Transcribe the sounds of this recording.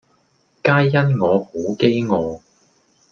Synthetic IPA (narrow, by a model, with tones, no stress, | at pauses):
kaː˥jːɐ˥nŋɔː˨˧ho˨˥wke˥jŋɔː˨˧